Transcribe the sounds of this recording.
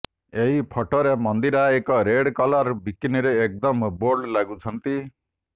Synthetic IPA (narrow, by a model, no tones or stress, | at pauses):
eɦipʰɔʈɔɾemɔnd̪iɾaekɔɾeɽkɔlaɾbikiniɾeːk̚d̪ɔmboɾɖlaɡut͡ʃʰɔnt̪i